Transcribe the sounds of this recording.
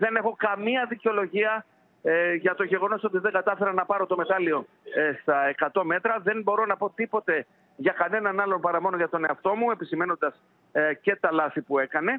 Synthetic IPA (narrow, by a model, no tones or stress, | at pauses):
ðe̞ne̞xo̞kɐmiɐðiceo̞lo̞ʝiɐ | ʝɐt̪o̞ʝe̞ɣo̞no̞so̞t̪iðe̞ŋɡɐt̪ɐfe̞ɾɐnɐpɐɾo̞t̪o̞me̞t̪ɐlio̞ | st̪ɐekɐt̪o̞me̞t̪ɾɐðe̞nbo̞ɾo̞nɐpo̞t̪ipo̞t̪e̞ | ʝɐkɐne̞nɐnɐlo̞npɐɾɐmo̞no̞ʝɐt̪o̞ne̞ɐft̪o̞mue̞pisime̞no̞nd̪ɐs | ce̞t̪ɐlɐθipue̞kɐne̞